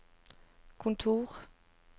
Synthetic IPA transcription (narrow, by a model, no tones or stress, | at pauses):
kʰɔ̃nt̪ʰuːʁ